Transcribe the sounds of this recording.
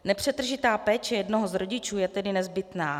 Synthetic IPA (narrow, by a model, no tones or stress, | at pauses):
nɛpr̝̥ɛt̪r̩ʒɪt̪aːpɛːt͡ʃɛjɛdnoɦozɾoɟɪt͡ʃuːjɛt̪ɛdɪnɛzbɪt̪naː